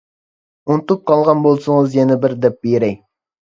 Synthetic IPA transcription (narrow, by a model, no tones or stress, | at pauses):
unt̪up̚qʰɑlˠʁɑnbolˠsʊŋɨzjenɪbɪɾd̪ɛp̚bejɾɛj